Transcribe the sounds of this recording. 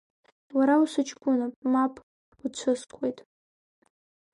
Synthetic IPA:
waɾawusʷɨt͡ʃʰʼkʷʼʊnapʼmapʼ | ut͡ɕʷʰɨskʷʰʼejtʼ

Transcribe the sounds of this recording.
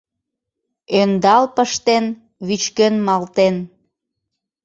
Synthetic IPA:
ønd̪ɑlpəʃt̪en | βyt͡ɕkønmɑlt̪en

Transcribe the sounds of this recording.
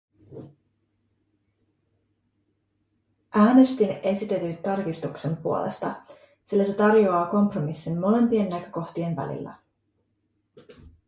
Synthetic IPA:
ʔæːne̞st̪ine̞sit̪e̞t̪ynt̪ɑrk̟ist̪ukse̞mpuo̞lʔḛst̪ɑ | silːæse̞t̪ɑrjo̞ɑːko̞mpro̞misːinːo̞le̞mpie̞nːækø̞ko̞xt̪ie̞nʋæ̰lḭlːæ̰

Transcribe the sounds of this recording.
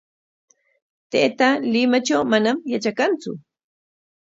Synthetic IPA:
t̪eʔːt̪alɪmat͡ʃawmanamjat͡ʃakant͡sʊ̰

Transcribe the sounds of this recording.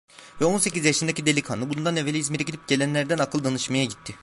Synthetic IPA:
vɛo̞nse̞cizjaʃɯnd̪acid̪e̞lʲikʰa̰nɯbund̪anevelʲiizmeɾɛɟid̪ʲip̚ɟ̥e̞lʲænlʲæɾd̪ænakʰɯlˠd̪anɯʃmajaɟit̪ʰːɪ

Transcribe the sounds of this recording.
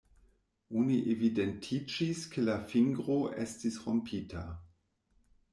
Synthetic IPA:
ʔuniʔevidɛntʰit͡ʃiskʰəlafiŋɡʁoʔɛstdisʁompʰiːtʰa

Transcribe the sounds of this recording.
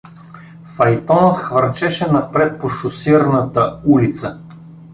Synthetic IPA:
fɐjt̪ɔnət̪xvɐɾt͡ʃɛʃɛnɐpɾɛt̪̚poʃosiɾnət̪əulit̪sə

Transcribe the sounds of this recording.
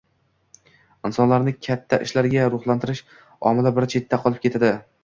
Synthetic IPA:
ɪnsɒnlaɾnɪkʲʰat̪ʰːaʔɪʃlaɾɡʲaɾʊχlˠant̪ʰɪɾɪʃ | ɒ̰mɪlabɪɾt͡ʃʰe̞t̪ʰːaqʰɒlˠɪp̚kʲet̪ʰad̪ɪ

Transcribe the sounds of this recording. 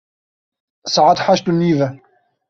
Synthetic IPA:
saʕat̪ħaʃt̪ʊnːiːva

